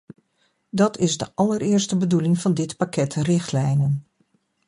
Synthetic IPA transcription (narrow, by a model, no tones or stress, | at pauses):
dɑtʰɪzdəʔɑlərɪərstəbədulɪŋvɑndɪtpakɛtrɪχtlɛjnən